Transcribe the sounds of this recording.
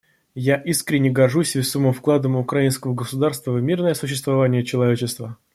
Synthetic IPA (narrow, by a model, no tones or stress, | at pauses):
jaʔiskɾʲɪnʲːɪɡɐrʐusʲvʲɪsoməmfklˠad̪əmʊkɾɐinskəvəɡəsʊd̪arst̪vəvmʲirnəjəsʊɕːɪst̪vɐvanʲɪjət͡ɕɪlˠɐvʲet͡ɕɪst̪və